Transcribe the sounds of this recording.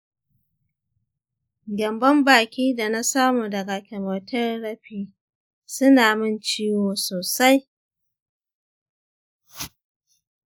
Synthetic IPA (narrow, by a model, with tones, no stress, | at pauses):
ɡʲɐ˨mbɐ˦mbaː˨kʲiː˦da˨na˦saː˦muː˨dɐ˨ɡa˨kʲɛ˨mɐ˨tɐ˦rɽɐ˦ɸiː˦ | sʊ˦naː˨mɪ˦nt͡ʃiː˦woː˨soː˨sa˦j